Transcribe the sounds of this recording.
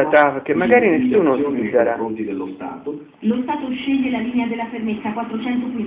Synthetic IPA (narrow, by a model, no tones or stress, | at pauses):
at̪afk̟emːaɡaːɾinesːuːnosiːzaɾaont̪id̪elːost̪a̰ːt̪o | lost̪aːt̪oʃːeʎːelaliːnead̪elːafermet̪sːakwat̪ːɾot͡ʃɛnt̪oki